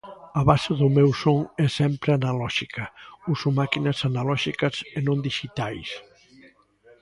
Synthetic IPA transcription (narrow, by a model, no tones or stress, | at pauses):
aβaseðʊmɛwsoŋɛsɛmpɾeanalɔʃikʰɐusomakinɐsanalɔʃikɐsenõnd̪iʃit̪ajs